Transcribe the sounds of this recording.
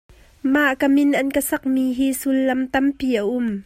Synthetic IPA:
maʔkamɪnʔɐnkəsɐk̚miːɦiːsulːɐmt̪ɐmpiːʔaʔʊm

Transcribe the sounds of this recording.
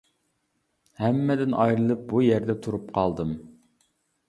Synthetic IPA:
hɛmːɛd̪ɪnɑjɾɨlˠɨp̚bujɛɾd̪ɛt̪ʰuɾup̚qʰɑlˠd̪ɨm

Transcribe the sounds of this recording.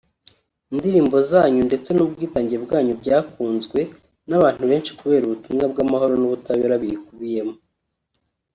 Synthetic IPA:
indiɾiːmbo̞zaːɲunde̞t͡se̞nubɡiːtaːɲɟiɾebɡaːɲubɟaːkuːnzɡwe̞ | naβaːn̥huβe̞ːnʃi̥kuβe̞ːɾuβutumŋabɡamaho̞ɾo̞nuβutaβeɾaβiikuβije̞mo

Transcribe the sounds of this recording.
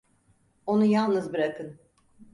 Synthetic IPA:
o̞nujalˠnɯzbiɾakʰɯn

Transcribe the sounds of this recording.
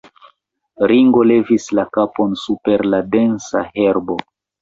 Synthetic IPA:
ɾiŋɡo̞le̞vislakapo̞nsupe̞ɾlade̞nsa̰he̞ɾbo

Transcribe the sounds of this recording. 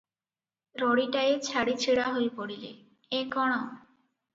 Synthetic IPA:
ɾɔɽiʈaet͡ɕʰaɽit͡ɕʰeɽaɦojpoɽilḛ | ekɔɽ̃ɔ

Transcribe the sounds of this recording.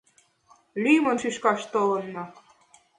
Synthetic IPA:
lʲymɤ̆nʃyʃkɑʃt̪ɤlɤ̆nːɑ

